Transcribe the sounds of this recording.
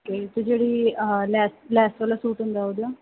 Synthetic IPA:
okeːt̪oːd͡ʒeːɽiːlɛːslɛːsʈʋaːlaːsuːʈɦʊ̃nd̪aːɦoːd̪aː

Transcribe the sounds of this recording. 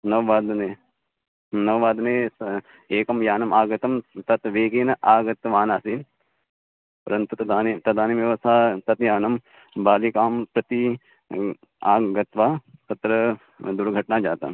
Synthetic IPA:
nɐʋʋaːd̪ne | nɐʋʋaːd̪ne | eːkɐmjaːnɐmaːɡɐt̪ɐmt̪ɐt̪ʋeːkeːnɐʔaːɡɐt̪ʋaːnaːsin | pɐɾɐnt̪ut̪ɐaːt̪ɐd̪aːnimjɐʋɐsʰaːt̪ɐt̪jaːnɐm | baːlikaːmpɾɐt̪i | aːɡɐt̪ʋaːt̪ɐt̪ɾɐ | d̪uɾɡʱɐʈnaːd͡ʒaːt̪a̰

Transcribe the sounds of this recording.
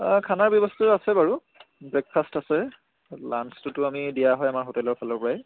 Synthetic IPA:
kʰanaɹbjɔbɔstɔtuasɛbaɹu | bɹɛk̚pʰastasɛ | lanstʊtʊamidijaɦɔjamaɹɦotɛlɔɹpʰalɔɹpɔɹaɛ

